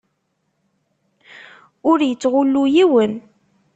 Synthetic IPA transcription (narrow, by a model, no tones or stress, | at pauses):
ʊɾjət͡sːʁʊlːujiwən